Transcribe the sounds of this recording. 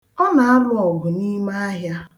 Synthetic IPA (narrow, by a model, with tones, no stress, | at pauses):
ɔ˦na˨a˦lʊ˦ɔ˨ɦʊ˨ni˦ma˦a˦ɦja˦